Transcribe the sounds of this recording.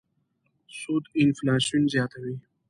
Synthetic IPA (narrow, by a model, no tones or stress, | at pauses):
sud̪ɪnflaːʃunzjɑːt̪awi